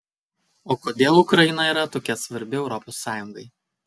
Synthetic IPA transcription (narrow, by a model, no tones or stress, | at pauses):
oːkoːd̪ʲeːlˠʊkɾɐɪnɐiːɾɐt̪oːkʲɛsʋɐɾʲbʲɪɛʊɾɔpɔsːɑːjʊŋɡɐɪ